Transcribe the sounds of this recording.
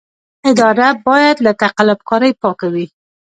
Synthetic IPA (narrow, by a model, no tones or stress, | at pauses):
ɪd̪ɑɾabɑjad̪lat̪aqalab̚kɑɾəjpɑkawi